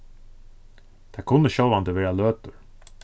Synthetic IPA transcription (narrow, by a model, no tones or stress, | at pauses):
d̪̥ʰɛkʰʊnːəɕœland̪əʋeːɾaløːt̪əɾ